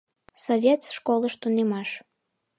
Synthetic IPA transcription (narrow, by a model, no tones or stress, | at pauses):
sɔβʲet̪sʃkolˠəʃt̪unemɑʃ